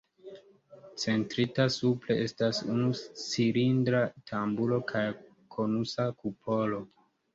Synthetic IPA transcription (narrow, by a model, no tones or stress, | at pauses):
t͡se̞ntɾitasuple̞ʔe̞stasṵnusiɾindɾatʰambulo̞kʰaj | kʰo̞nusakupʰo̞lo̞